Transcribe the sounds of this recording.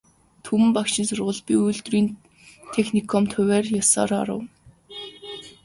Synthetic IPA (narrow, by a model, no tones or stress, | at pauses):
t̪ʰumɘ̆mpakʃɪ̆nsʊrʁʊ̆ɮpʲiujɮt̪riːn | t̪ʰexnikʰɔmt̪ʰʊwʲæːrjasɔ̰ːɾɔ̰ɾə̰̆w